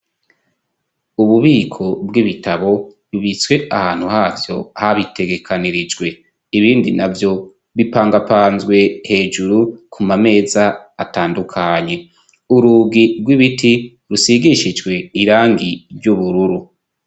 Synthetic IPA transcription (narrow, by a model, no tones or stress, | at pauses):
uβuβiːkʰo̞bɡiβitʰaβo̞ | uβiswe̞ʔahaːn̥huhaːvjo̞haβitʰe̞ɡe̞kʰaniɾid͡ʒɡwe̞ | iβiːndinavjo̞ | βipaːŋɡapaːnzwe̞he̞ːd͡ʒuɾukʰumame̞ːzaːtaːndukʰaɲe̞ | uɾuːɡiɾɡwiβitʰi | ɾusiɡiʃid͡ʒɡwe̞iɾaːŋɡiɾjuβuɾuɾu